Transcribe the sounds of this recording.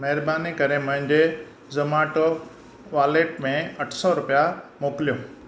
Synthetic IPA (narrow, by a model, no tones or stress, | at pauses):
mɛɦɪɾbaːnikɐɾemʊ̃ɦɪ̃ɲd͡ʑe | zɐmaːʈo | ʋaːleːʈmẽɐʈʰsɔɾʊpijamoːklijõː